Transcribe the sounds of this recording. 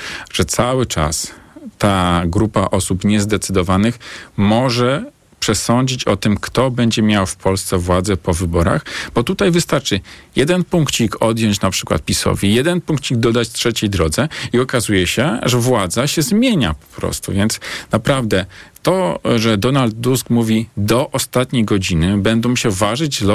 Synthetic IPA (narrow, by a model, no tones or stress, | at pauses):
ʐ̥ɛt̪sawɘt͡ʂa̰st̪aɡɾupaʔɔsupɲɛzd̪ɛt̪sɘd̪ɔvanɘxmɔʐɛ | pʂɛsɔɲd͡ʑit͡ɕɔt̪ɘmkt̪ɔbɛɲd͡ʑɛmʲjawfpʰɔlst̪sɛvwad̪zɛpɔvɘbɔɾa̰xbɔt̪ut̪ajvɘst̪aɾt͡ʂɘjɛd̪ɛnpuŋkt͡ɕikʰɔd̪ʲjɔɲt͡ɕnapʂɘkwa̰t̪̚pʲisɔ̰vʲijɛd̪ɛnpuŋkt͡ɕiɡ̚d̪ɔd̪at͡ɕtʂɛt͡ɕejd̪ɾɔd̪zɛiɔkazujɛɕɛʐɛvwad̪zaɕɛzmʲjeɲa̰pɔ̥pɾɔ̰st̪ṵvʲjɛnt̪snapɾavd̪ɛt̪ɔʐɛd̪ɔnald̪̚ːuskmuvʲid̪ɔʔɔst̪at̪ɲejɡɔd͡ʑinɘbɛnd̪ɔ̃w̃ɕɛvaʐɘd͡ʑlɔ